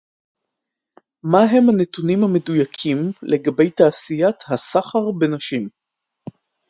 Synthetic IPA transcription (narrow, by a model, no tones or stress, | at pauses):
maɦe̞mhanetunimhame̞dujakʰimle̞ɡabe̞jtaːsijat̪hasaχaʁbe̞naʃim